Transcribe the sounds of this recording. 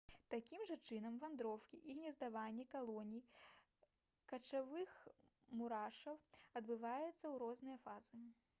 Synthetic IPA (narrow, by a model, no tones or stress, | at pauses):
t̪akʲimʐɐt͡ʂɨnɐmvand̪ɾɔwkʲiʔiɣnʲɛzd̪avanʲːɛkalˠɔnʲij | kɐt͡ʂavɨx | muɾaʂɐwɐd̪̚bɨvajɛt̪sːɐwɾɔznɨjɐfazɨ